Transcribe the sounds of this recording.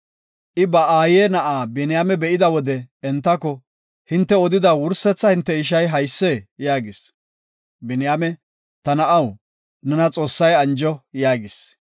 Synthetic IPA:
ʔɪbɐaːjeːnɐʔaːbɛnɪjaːmɛbɛʔɪd̪ɐwɔd̪ɛɛnt̪ːɐkɔ | hɪnt̪ːɛɔd̪ɪd̪ɐwʊɾsɛt͡sːɐhɪnt̪ːɛɪʃ̬ɐjɦɐjsːeːjaːɡɪs | bɛnɪjamɛ | t̪ɐnɐʔɐw | nɛnɐt͡sʼo̞ːsːɐjɐnd͡ʒɔjaːɡɪs

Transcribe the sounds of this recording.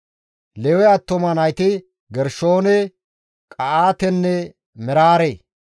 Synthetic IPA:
lɛwɛɐt̪ːɔmɐnɐjt̪ɪ | ɡɛɾʃoːnɛ | kʼɐʔaːt̪ɛnːɛ | mɛɾaːɾeː

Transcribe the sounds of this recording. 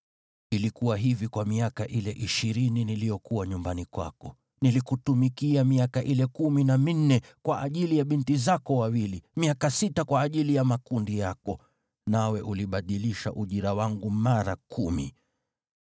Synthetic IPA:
ilikuwaɦivikwamiakaʔilɛʔiʃiɾininilijɔkuwaɲumbanikwa̰kɔ | nilikutumikiamiakaʔilɛkuminamin̩nːɛkwaʔaʄilijaɓintizakɔwawilimiakasitakwaːʄilijamakundijakɔ | nawɛʔuliɓaɗiliʃa̰ʔuʄiɾawaŋɡumaɾakʰumḭ

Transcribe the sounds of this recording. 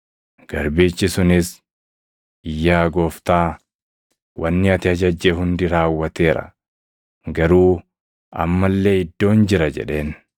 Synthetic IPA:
ɡ̥ɐɾbeːt͡ʃːɪsʊnɪs | ɪjːaːɡo̞ːft̪aː | wɐnːɪɐt̪ɪɐd͡ʒɐd͡ʒːeɦʊnd̪ɪɾaːwːɐt̪e̞ːɾɐ̰ | ɡɐɾuː | ɐ̰mːɐlːe̞ːɪd̪ːo̞ːnd͡ʒɪɾɐd͡ʒɛ̰ᶑe̞ːn

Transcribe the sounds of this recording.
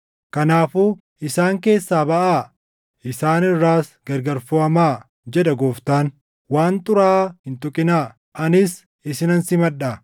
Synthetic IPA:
kɐnaːfuː | ɪsaːŋke̞ːsːaːbɐʔaː | ɪsaːnɪrːaːsɡɐɾɡɐɾfoːɐmaː | d͡ʒɛd̪ɐɡoːft̪aːn | waːnt̪ʼʊɾaːhɪnt̪ʊkʼɪnaː | ʔɐnɪs | ɪsɪnɐnsɪmɐᶑa

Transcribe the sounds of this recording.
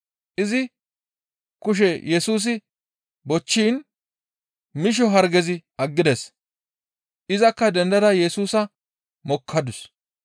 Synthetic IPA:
ʔɪzɪ | kʊʃ̬ɛjɛsuːs̬ɪ | bɔt͡ʃːiːn | mɪʃ̬ɔɦɐɾɡɛzɪʔɐɡːɪd̪ɛs | ʔɪzɐkːɐd̪ɛnd̪ɐd̪ɐjɛsuːsɐ | mɔkʰːɐd̪ʊs

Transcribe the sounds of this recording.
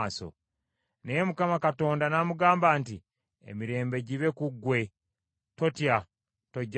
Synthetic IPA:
so̰ | nejemukamakato̞ːndanamuɡaːmbaːnti | ḛmiɾe̞ːmbe̞ɟiβe̞kuɡːwe̞ | to̞tja | to̞ɟː

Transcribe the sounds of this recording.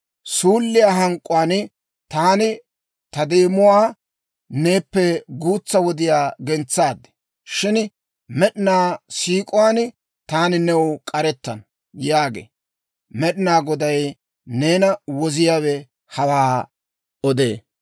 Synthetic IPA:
suːlːɪjaːɦɐŋkʼːʊwaːn | t̪aːnɪ | t̪ɐd̪eːmʊwaː | neːpːɛɡuːt͡sːɐwɔd̪ɪjaːɡɛnt͡sːaːd̪ːɛ̥ | ʃɪn | mɛɗɪnaːsiːkʼʊwaːn | t̪aːnɪnɛwʊkʼɐɾɛt̪ːɐn | jaːɡḛː | mɛɗɪnaːɡɔd̪ɐj | ne̞ːnɐwɔzɪjaːwɛ | hɐwaː | ɔd̪ḛː

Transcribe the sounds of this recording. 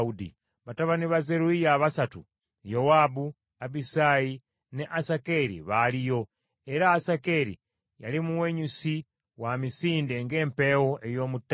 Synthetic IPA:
udḭ | βataβaniβaze̞ɾuijaβasatṵ | jowaːbu | abisaji | neʔasake̞ɾḭβalijo̞ | eɾaːsakeɾḭ | ja̰limuwe̞ɲusi | wamisiːnde̞ŋɡe̞ːmpe̞wo̞ʔejo̞ːmutː

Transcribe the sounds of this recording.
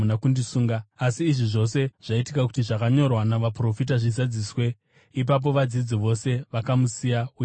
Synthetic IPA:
nakundisuːŋɡaːsiːʐiʐo̞se̞ʐ̥aitikaku̥tiʐakaɲo̞rwanaʋapro̞fit̬aʐizad͡ziːswe̞ | ip̬ap̬o̞ʋad͡zid͡ziʋo̞se̞ʋakamusijaui

